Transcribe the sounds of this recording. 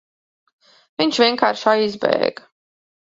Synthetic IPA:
viɲʃvʲiɛnkaːɾʃaizbɛ̰ːɡ

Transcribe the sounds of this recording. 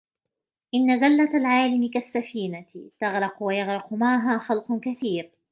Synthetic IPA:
ʔɪnːazalːat̪alʕaːlɪmɪkasːafiːnat̪ɑɣɾɪqwajɑɣɾɪqʊmaʕɦaːxɑlqʊkaθiːɾ

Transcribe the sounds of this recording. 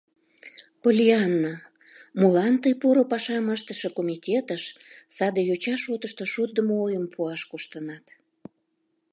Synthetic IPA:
polʲiɑnːa | mulɑnt̪əjpuɾopɑʃɑməʃt̪əʃəkomitʲet̪əʃsɑd̪ejot͡ɕɑʃot̪əʃt̪oʃut̪̚d̪əmoojəmpʰuɑʃkuʃt̪ənɑt̪

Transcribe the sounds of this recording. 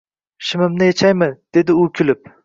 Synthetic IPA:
ʃɪmɪmnɪjet͡ʃʰajmɪd̪̥e̞d̪ɪʊkʲʰʊlɪp̚

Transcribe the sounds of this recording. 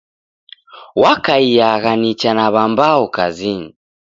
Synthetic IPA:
wakaijaɣanit͡ʃanaβambaɔkaziɲi

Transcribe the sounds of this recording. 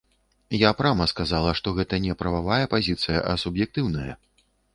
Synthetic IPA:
japɾamɐskazalˠɐʂt̪ɔɣɛt̪ɐnʲɛpɾɐvavajɐpazʲit̪sɨjɐʔɐsubjɛk̚t̪ɨwnɐjɐ̰

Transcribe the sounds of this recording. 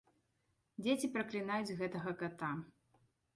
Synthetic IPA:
d͡zʲet͡sʲipɾɐklʲinajud͡zʲɣɛt̪ɐɣɐkat̪a

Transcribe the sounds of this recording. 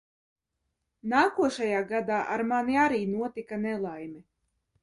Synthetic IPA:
naːkuɔʃajaːɡad̪aːʔa̰ɾmaniaɾiːnuɔt̪ikanɛlˠajmi

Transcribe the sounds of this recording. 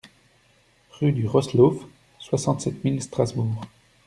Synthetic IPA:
ʁyd̪yʁɔslof | swasɑ̃t̪sɛt̪milst̪χazbuːʁ

